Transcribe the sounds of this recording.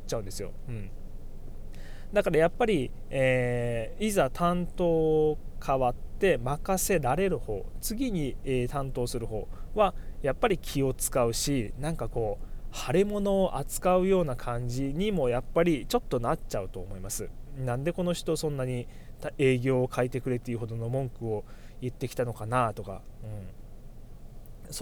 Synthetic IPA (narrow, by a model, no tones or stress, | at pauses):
t͡ɕaɯ̟̃nd̪esɨjo̞̰ɯ̟̃ɴ | d̪akaɾajapːaɾʲi | eːizat̪ʰãnt̪o̞ːkʰaβat̪ːe̞makase̞ɾaɾe̞ɾɯ̟ho̞̰ːt͡sɨɡʲiɲ̟iet̪ãnt̪o̞ːsɨɾɯ̟ho̞̰ːβajapːaɾʲikʲʰio̞t͡sɨ̥kaɯ̟ɕinãŋkako̞ːhaɾemo̞no̞ːʔat͡sɨ̥kaɯ̟jo̞ːnakʰãɲ̟d͡ʑiɲ̟imo̞japːaɾʲit͡ɕo̞t̪ːo̞natt͡ɕaɯ̟t̪o̞ːmo̞imasɨnãnd̪e̞ko̞no̞çʲi̥t̪o̞sõ̞nːaɲ̟i | t̪e̞ːɡʲo̞ːkʰait̪e̞kɯ̟ɾe̞t̪eiɯ̟ɦo̞d̪o̞no̞mõ̞ŋkɯ̟o̞jɯt̪ːe̞kʲi̥t̪ano̞kanat̪o̞ka̰ɯ̟̃ɴ | so